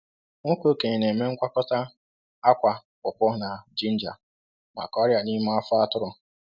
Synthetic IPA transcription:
ŋʊ˦ko˦ke˨ɲe˨ne˨me˦ŋ̩˦kʷa˦kɔ˦ta˦ | a˦kʷa˨kʊ˨pʷʊ˦na˨d͡ʒi˦n̩˦d͡ʒa̰˨ | ma̰˨ka˨ɔ˦ɾja˨ni˦ma˦a˦fʊ˦a˦tʊ˦ɾʊ˨

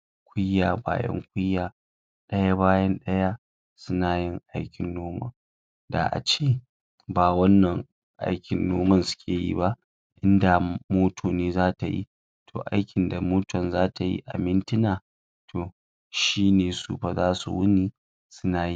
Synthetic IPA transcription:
kʷʊ˦jːaː˨ba̰ː˨jɐ̰˦ŋkʷʊ˦jːaː˨ | ɗɐ˦ja˦baː˦jɐ˦nɗɐ˦ja˦ | sʊ˦na˨jɪ˦ŋʔa˦jkʲɪ˨nːoː˦mɐ̰˦˨ŋ | da̰˨ʔa̰˨t͡ʃeː˦ | baː˨wɐ˦nːɐ˨ŋ | ʔa̰˦jkʲɪ˨nːoː˦mɐ˦nsʊ̥˦kʲʰeː˨jḭ˦ba˦ʔ | ʔɪ˦nda˨moː˦tʰoː˨neː˦zaː˦ta˨jḭ˦ | tʰo̰ː˨ʔa̰˦jkʲɪ˨nda˨moː˦tɔ˨nzaː˦tʰa˨jḭ˦ʔa̰˨mɪ˦ntɪ˦naː˨ | tʰoː˨ | ʃiː˦neː˨sṵː˦ɸa˦zaː˦su˨wʊ˦niː˦ | sʊ˦naː˨ji˦

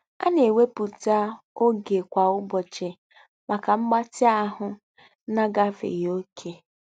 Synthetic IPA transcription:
a̰˦ne˨we˦pu˨ta˦ | o˦ɡe˨kʷa˨ʊ˦bɔ˨t͡ʃɪ˨ | ma˨ka˨ŋ͡m̩˦ɡ͡ba˦tɪ˦a˦ɦʊ˨˦ | na˦ɡa˦fḛ˨jo˦kʰe˨

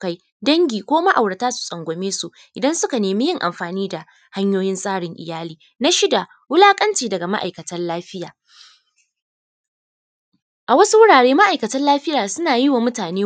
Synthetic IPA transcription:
ka˦j | dɐ˦ŋɡʲiː˨kʷoː˦ma˦ʔa˨wɽɐ˨taː˦su̥˨sʼɐ˨ŋɡʷɔ˨meː˦su˦ʔ | ʔɪ˨dɐ˦nsʊ˦ka˨neː˨miː˦jɪ˦ŋʔa̰˨mɸaː˨niː˦da˨ | ha˦ɲjoː˦jɪ˦nsʼaː˦ɽɪ˨ŋʔɪ̰˨jaː˦liː˨ | na˦ʃɪ˦da˨ | wʊ˦laː˦kʼɐ˦nt͡ʃiː˨dɐ˨ɡa˨ma̰˦ʔa˨jkɐ˨tɐ˦nlaː˦ɸɪ˦jaː˨ | ʔa˨wɐ˦su˦wʊ˦ɽaː˨ɽeː˦ma˦ʔa˨jkɐ˨tɐ˦nlaː˦ɸɪ˦jaː˨sʊ˦naː˨jɪ˦wa˨mʊ˦taː˨neː˦

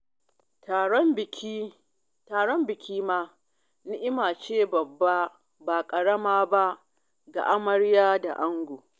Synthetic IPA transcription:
ta˨ɔ˦mbɪ˨kʲi˦ | taː˨ɽɔ˦mbɪ˨kʲʰiː˦maː˦ | nɪ˦ʔɪ˦maː˨t͡ʃeː˦˨bɐ˨bːa˦ | ba˨kʼɐ˨ɽɐ˦maː˦ba˦ʔ | ɡa̰˨ʔa˦mɐ˦ɽjaː˦da̰˨ʔa˦ŋɡʷoː˨

